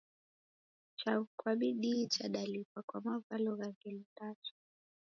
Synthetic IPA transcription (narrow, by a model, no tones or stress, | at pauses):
t͡ʃakwaɓiɗit͡ʃaɗalipakwamavalɔɣaɡɛlitatu̥